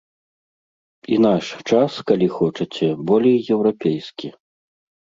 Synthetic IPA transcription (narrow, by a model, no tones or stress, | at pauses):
in̪aʂt͡ʂaskalʲixɔt͡ʂɐt͡sʲɛbɔlʲejːɛwɾapʲejskʲi